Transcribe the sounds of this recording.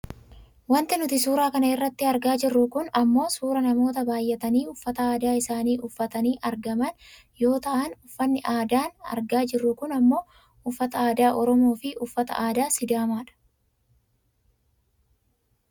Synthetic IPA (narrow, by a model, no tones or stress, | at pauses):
wɐnt̪ɪnʊt̪ɪsuːɾaːkɐnɐɪrːɐt̪ːɪɐɾɡaːd͡ʒɪrːʊkʊnɐmːo̞ːsuːɾɐnɐmo̞ːt̪̬ɐbaːjːɛt̪ɐniːʊfːɐt̪ɐaːd̪aːɪsaːniːʔʊfːɐt̪ɐniːʔɐɾɡɐmɐn | jo̞ːt̪aːʔnʊfːɐnːɪʔaːd̪aːnɐ̰ɾɡaːd͡ʒɪrːʊkʊnɐmːo̞ː | ʊfːɐt̪ɐaːd̪aːʔɔɾɔmo̞ːfɪʔʊfːɐt̪ɐ̰ʔaːd̪aːsɪd̪aːmaːᶑɐ̥